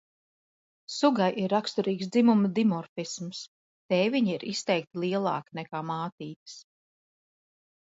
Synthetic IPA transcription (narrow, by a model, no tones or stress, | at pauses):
suɡajʔiɾːakst̪uɾiːksd̪zimumɐd̪imɔɾfisms | t̪ɛːviɲiɾist̪ɛjk̚t̪ilˠiɛlˠɑ̰ːkinɛkaːmaːt̪iːt̪ɨ̥s